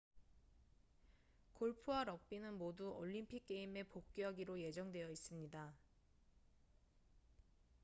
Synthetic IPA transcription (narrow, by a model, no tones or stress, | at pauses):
koɭpʰuwaɾʌk̚p͈inɯnmoduoʎːimpʰik̚k͈ːe̞ime̞pok̚k͈jʌɡiɾoje̞d͡ʑʌŋdwe̞jʌis͈ɯmɲida